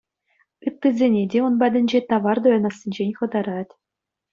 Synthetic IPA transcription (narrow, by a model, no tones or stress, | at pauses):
ɯt̪ːɯzʲenʲedʲeunbædʲɘ̆nʲd͡ʑet̪ɑʋɑrd̪ojɑnɑsʲinʲd͡ʑenʲχɤ̆d̪ɑɾɑtʲ